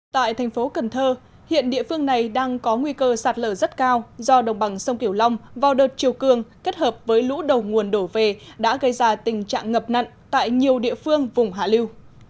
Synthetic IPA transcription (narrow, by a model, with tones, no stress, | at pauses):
t̪a̰ː˧˨jt̪ʰɛ˨˩ŋ̟fo˨˦kə˨˩nt̪ʰəː˧ | hḭ˧˨ənɗḭ˧˨əfɨ˧əŋna˨˩jɗaː˧ŋkɔ˨˦ŋwi˧kəː˧saː˨˩t̚ləː˧˩zə˦˥t̚kaː˧wzɔ˧ɗə˨˩wŋ͡mɓa˨˩ŋsə˧wŋ͡mki˧˩əwla˧wŋ͡mvaː˨˩wɗəː˨˩t̚t͡ɕi˨˩əwkɨ˨˩əŋke˦˥t̚həː˨˩p̚vəː˨˦jlṵ˧˥ɗə˨˩wŋu˨˩ənɗo˧˩ve˨˩ɗa̰ː˧˥ɣə˧jzaː˧t̪ï˨˩ŋ̟t͡ɕa̰ː˧˨ŋːə˨˩p̚na̰˧˨ŋt̪a̰ː˧˨jɲi˨˩əwɗḭ˧˨əfɨ˧əŋvʊ˨˩ŋ͡mɦaː˧˩li˧w